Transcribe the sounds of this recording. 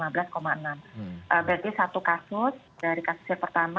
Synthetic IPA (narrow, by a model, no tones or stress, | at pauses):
mabəlaskomaənamʔəbəɾat̪isat̪ukasʊs | d̥aɾikasʊ̥sɲapərt̪ama